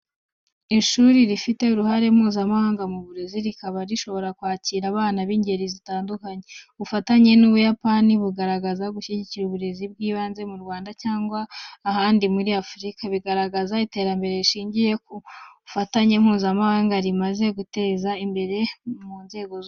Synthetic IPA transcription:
iʃuɾiɾifite̞uɾuhaɾe̞m̥huːzamahaːŋɡamuβuɾe̞ziɾikaβaɾiʃo̞βo̞ɾakwaːciɾaβaːnaβiːɲɟe̞ɾizitaːndukaɲeβufataɲe̞nuβujapaniβuɡaɾaɡazaɡuʃiɟiciɾuβuɾe̞zib̚ɡiːβaːnze̞muɾɡwaːndacaːŋɡwaːhaːndimuɾiafɾikaβiɡaɾaɡazaite̞ːɾambe̞ɾe̞iʃiːɲɟije̞koβufataɲe̞m̥huːzamahaːŋɡaɾimaze̞ɡute̞ːzaimbe̞ɾe̞munze̞ːɡo

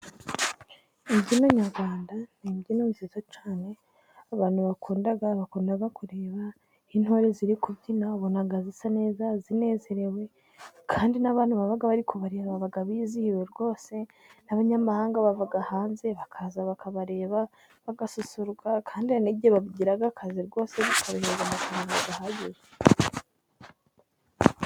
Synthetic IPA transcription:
ibɟinoɲaɾɡwaːndanibɟinomisitot͡ʃaːne̞ | aβaːn̥huβakuːndaɡaβakuːndaɡakuɾe̞ːβa | hinho̞ɾe̞ziɾikubɟinaβonaɡazisane̞ːzazine̞ːze̞ɾe̞we̞ | kʰaːndinaβaːn̥huβaβaɡaβaɾikuβaɾe̞ːβaβaɡaβiːzihiweɾɡo̞ːse̞ | naβaɲamahaːŋɡaβavuɡahaːnze̞βakʰazaβakaβaɾe̞ːβa | βaɡasusuɾɡakʰaːndiniɟeβaβɟiɾaɡakʰaziɾɡo̞ːse̞βakʰaβihezanakanumaɡahaɟize

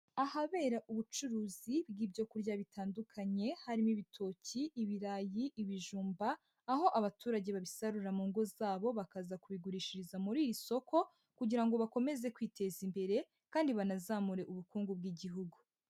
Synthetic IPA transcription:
ahaβe̞ːɾaʔuβut͡ʃuɾuːzibɡiːbjo̞kuɾɟaβitʰaːndukʰaɲe̞haɾimiβitʰo̞ciʔːβiɾajiʔiβiʒuːmbaː | ho̞ʔaβatuːɾaɟe̞βaβisaɾuɾamuːŋɡo̞zaːβo̞βakazakuβiɡuɾiːʃiɾizamuɾiːɾiso̞kʰo̞ | kuɟiɾaŋɡo̞βako̞me̞ze̞kwiːtʰe̞zimbe̞ɾe̞ | kaːndiβanazaːmuɾe̞ʔuβukuːŋɡub̚ɡiːɟiɦuɡu

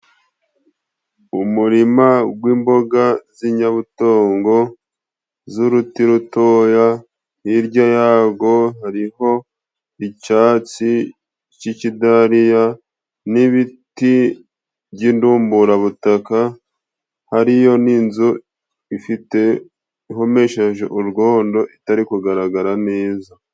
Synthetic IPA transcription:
umuɾimaɡwiːmbo̞ɡaziɲaβuto̞ːŋɡo̞ | zuɾutiɾutoːja | iɾɟajaːɡo̞ɦaɾiɦo̞ | icaːt͡si | cicidaɾija | niβiti | βɟinduːmbuɾaβutaka | haɾijo̞ninzu | ifite̞ | iɦo̞me̞ːʃaʒoʔuɾɡo̞ːndo̞ʔitaɾikuɡaɾaɡaɾaneːza

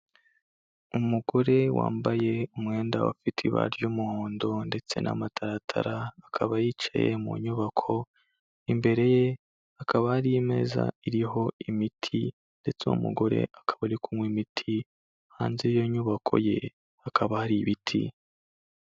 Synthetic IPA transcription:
umuɡo̞ɾe̞wa̰ːmbaje̞umŋe̞ːndawa̰fitʰiβa̰ɾjumuhoːndo̞nde̞t͡se̞̰nʔa̰matʰaɾatʰa̰ɾaːkʰaβajiːt͡ʃa̰jḛmṵɲuβakʰo̞ | imbe̞ɾe̞je̞ | akʰaβahaɾiime̞̰za̰iɾiɦo̞imitʰi | nde̞t͡seṵmṵɡo̞ɾe̞̰akʰḁβaɾikumwimitʰi | haːnzijoɲuβakʰo̞̰je̞ | akʰaβahaɾiβitʰḭ

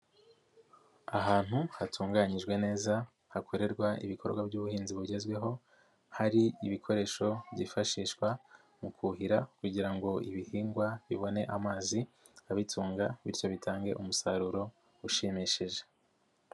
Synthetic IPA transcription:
aɦaːn̥huhatʰuːŋɡaɲiʒɡwe̞ne̞ːza | hakʰo̞ɾe̞ɾɡwaʔḭβikʰo̞ɾɡwabɟuβuhiːnziβuɟe̞zɡwe̞ɦo̞ | haɾiiβikʰo̞ɾe̞ːʃo̞bɟifaʃiːʃkwa | mukʰuɦiɾakuɟiɾaŋɡo̞iβihiːŋɡwaβiβo̞ne̞̰ʔamaːzi | aβitʰuːŋɡaβiɾco̞βitʰaːŋɡe̞̰ʔumusaɾuɾo̞ | uʃimiʃiʒe̞̥

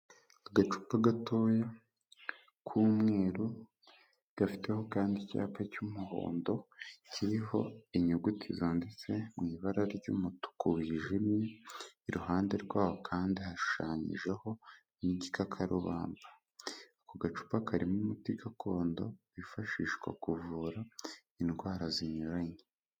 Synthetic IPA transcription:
aɡat͡ʃu̥paɡatoːje | kʰuːmŋe̞ːɾu | ɡ̥afi̥te̞ho̞kaːndica̰ːpacumuɦo̰ːndo̞cʰiɾiho̞iɲuɡutʰizondet͡se̞mŋiːβaɾaɾɟṵːmutu̥kuwiːʒimjeiɾuhaːnde̞ɾɡwaːho̞kʰaːndihaʃu̥ʃaːɲḭʒe̞ho̞ | niikakʰaɾuβa̰ːmba | koɡat͡ʃu̥pakʰaɾimumutiɡakʰo̞ːndo̞βifaʃiːʃɡwa̰kuvuːɾa | inɡwaːɾaziɲoɾaɲe

